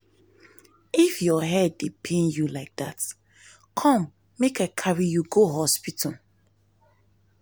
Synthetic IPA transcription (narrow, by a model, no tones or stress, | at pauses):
ifjɔɦɛdepʰẽnjulaɪk̚dat | kʰɔ̃mː | ekaɪkʰaɹijuɡoɦɔspitʰɔl